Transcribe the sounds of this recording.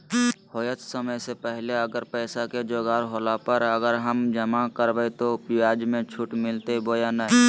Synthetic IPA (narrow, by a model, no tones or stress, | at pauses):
hoːjət͡ʃsəməjsepəɦleəɡəɾpɛɪsaked͡ʒoːɡaːɾɦolapəɾəɡəɾɦəmd͡ʒəmakəɾbəjt̪opjaːd͡ʒmẽt͡ʃʰʊʈmɪlt̪ebojana